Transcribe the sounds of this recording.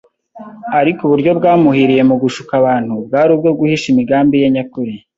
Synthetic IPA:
aɾikuβuɾɟo̞bɡaːmuhiɾije̞muɡuʃu̥kaβaːn̥hubɡaːɾub̚ɡo̞bɡuhiʃimiɡaːmbijeɲakuɾi

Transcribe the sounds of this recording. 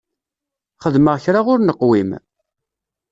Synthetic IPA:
χəðməʁçɾaʁʊɾnəqːwim

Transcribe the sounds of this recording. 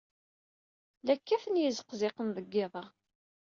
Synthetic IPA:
lækːæfənjəzəqzɪqənðəɡːɪðˤɑ

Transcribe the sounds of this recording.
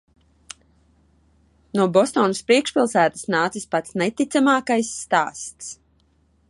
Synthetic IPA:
nuɔbɔst̪ɔːnəspɾiɛkʃpʲilˠsæːt̪ə̥snaːt̪sispat̪snet̪it̪samaːkajsːt̪aːst̪s

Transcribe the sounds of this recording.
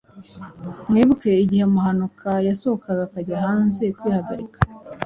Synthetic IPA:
mŋiːβuke̞iɟihemuhanukʰajasohokaɡakaɟaɦaːnze̞kwiːhaɡaɾikḁ

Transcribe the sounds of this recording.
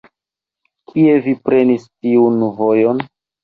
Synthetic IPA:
kʰie̞vipɾe̞nistiunvojon

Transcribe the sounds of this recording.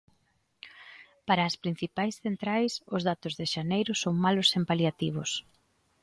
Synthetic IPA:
paɾɐːspɾin̟θipajsθent̪ɾajsʊzðat̪ʊzðeʃanejɾʊsoŋmalʊsempaljat̪iβ̞ʊs

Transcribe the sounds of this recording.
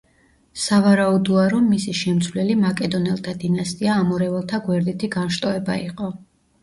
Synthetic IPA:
savaɾaud̪ɔaɾɔmːisiʃɛmt̪sʰvlɛlimakʼɛd̪ɔnɛlˠt̪ʰad̪inast̪ʼiaːmɔɾɛvɛlˠt̪ʰaɡwɛɾd̪it̪ʰiɡanʃt̪ʼɔɛba̰iqʼɔ

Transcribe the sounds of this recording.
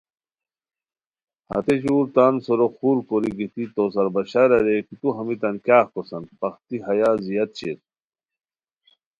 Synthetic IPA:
hɐ̰t̪eɕuːɾt̪aːnsoɾoxuːɾkoɾiɡit̪it̪os̬ɐɾbɐɕaɾɐɾekit̪uɦɐmit̪ɐnkʲjaːxkosɐnpɐxt̪iɦɐjaːzijɐt̪̚t͡ɕḛt̪

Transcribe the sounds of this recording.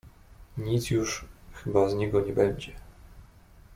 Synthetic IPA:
ɲit̪sjuʂxɘbazɲɛɡɔɲɛbɛɲd͡ʑɛ

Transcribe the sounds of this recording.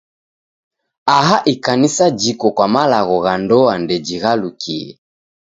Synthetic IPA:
aɦaʔikanisad͡ʒikɔkwamalaɣɔɣandɔandɛd͡ʒiɣalukʰiɛ̰

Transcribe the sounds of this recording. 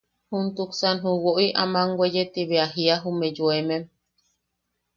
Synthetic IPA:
hunt̪uksanɦuwoʔiʔamaŋɡwejet̪iβeaɦiaɦumẽd͡ʒoemẽm

